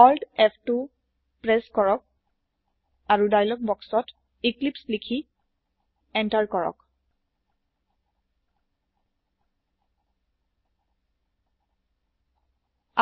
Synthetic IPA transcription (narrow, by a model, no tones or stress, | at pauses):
ɔldɛpʰtu | pɹɛskɔɹɔk̚ | aɹudajlɔk̚bɔksɔt | iklipslikʰi | ɛntaɹkɔɹɔ̰k | a